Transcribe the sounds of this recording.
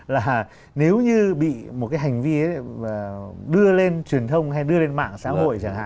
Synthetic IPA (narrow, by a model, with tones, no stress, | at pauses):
laː˨˩ | ne˨˦wɲɨ˧ɓḭ˧˨mo˨˩kaː˨˦jɦa˨˩jŋ̟vi˧ə˨˦˨əː˨˩ɗɨ˧əle˧nt͡ɕwi˨˩ənt̪ʰə˧wŋ͡mhɦa˧jɗɨ˧əle˧nma̰ː˧˨ŋsa̰ː˧˥ɦo̰˧˨jt͡ɕaː˧˩ŋha̰ː˧˨